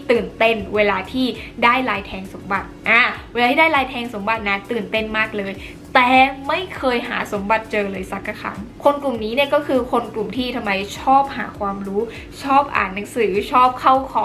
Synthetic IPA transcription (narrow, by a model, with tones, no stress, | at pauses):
t̪ɯː˨˩nt̪e˥˩nweː˧laː˧t̪ʰiː˥˩daː˥˩jlaː˧jt̪ʰɛː˧ŋso˩˦mba˨˩t̪̚ʔaː˧˩weː˧laː˧iː˥˩daː˥˩jlaː˧jt̪ʰɛː˧ŋso˨˩˦mba˨˩t̪̚na˦˥˩t̪ɯː˨˩nt̪e˥˩nmaː˥˩k̚lɤː˧j | t̪ɛː˨˩ma˥˩jkʰɤː˧jɦa̰ː˩˦so˩˦mba˨˩t̪̚t͡ɕɤː˧lɤː˧jsa˦˩kːa˧˩kʰa̰˦˥ŋkʰo˧nklu˨˩mniː˦˥ni˥˩ɐkɔː˥˩kʰɯː˧kʰo˧nklu˨˩mt̪ʰiː˥˩t̪ʰa˧mːa˧jt͡ɕʰɔː˥˩p̚ha̰ː˩˦kʰwaː˧mɾuː˦˥ | t͡ɕʰɔː˥˩p̚ʔa̰ː˨˩nna˩˦ŋsɯː˩˦t͡ɕʰɔː˥˩p̚kʰa˥˩wkʰɔː˨˦